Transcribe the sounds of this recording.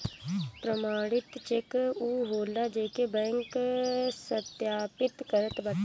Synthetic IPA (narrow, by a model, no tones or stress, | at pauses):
pɾəmaːɽɪt̪t͡ʃekuɦoːlaːd͡ʒeːkebɛ̃ːŋksət̪jaːpɪt̪kəɾət̪bə